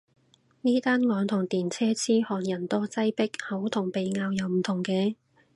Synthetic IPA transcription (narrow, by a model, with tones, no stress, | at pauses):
niː˥t̪aː˥nŋɔː˨˧nt̪ʰʊ˨˩ŋt̪iː˨˩nt͡sʰɛː˥t͡sʰiː˥hɔː˨˩njɐ˨˩nt̪ɔː˥t͡sɐ˥jpɪ˥k̚hɐ˨˥wt̪ʰʊ˨˩ŋpe˨jŋaː˧wjɐ˨˧wm̩˨˩t̪ʰʊ˨˩ŋkɛː˧